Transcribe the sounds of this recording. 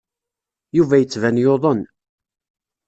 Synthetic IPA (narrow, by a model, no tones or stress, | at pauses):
juvæjət͡sːvænjoðˤən